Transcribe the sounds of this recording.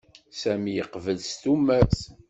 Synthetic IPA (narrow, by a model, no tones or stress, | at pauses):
sæmijəqvəlst̪umæɾθ